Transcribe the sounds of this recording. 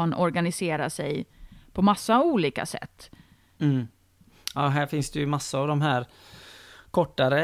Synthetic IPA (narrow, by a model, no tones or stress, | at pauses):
nɔɾɡanɪseːɾaʂɛjpʰɔmasːauːliːka̰sɛ̰t̪ː | m̩ː | ɑːɦæːɾfɪnsd̪ɛjɵmasːaavd̪ɔmɦæːɾ | kʰɔʈːaɾə